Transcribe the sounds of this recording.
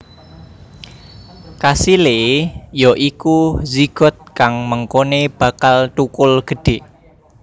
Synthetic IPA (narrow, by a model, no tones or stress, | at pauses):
kasilejɔʔikuziɡ̥ɔ̤t̪̚kaŋməŋkoneb̥ä̤kalt̪ukʊlɡ̥ə̤ɖ̥e̤